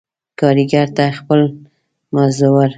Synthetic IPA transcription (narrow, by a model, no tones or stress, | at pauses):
kɑɾiɡaɾt̪axpəl | mazowaɾ